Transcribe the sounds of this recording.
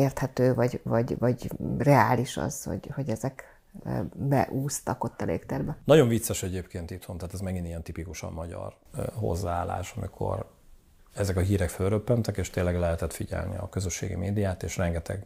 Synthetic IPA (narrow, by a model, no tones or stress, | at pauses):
eːrt̪hɛt̪øːvɒɟvɒɟvɒɟrɛaːliʃɒ̰z̥ho̞̰ɟho̞ɟɛzɛk | bɛ̰ʔuːst̪ɒko̞t̪ːɒlḛːkt̪ɛrbɛnɒɟo̞ɱvit̪sːɛʃɛɟeːpkeːnt̪it̪hont̪aːt̪ɛzmɛɡinijɛnt̪ipikuʃɒ̰mmɒɟɒ̰r | ho̞̰zːaaːlːa̰ːʃɒmḭkʰo̞̰r | ɛzɛkɒɦiːɾɛkfølrøpːɛnt̪ɛkeːʃt̪eːnlːɛɡlɛɦɛt̪ɛt̪fiɟɛ̰lnḭɒ̰køzøʃːḛːɡḭmeːd̪ijaːt̪eːʃrɛŋɡɛt̪ʰɛ̰ɡ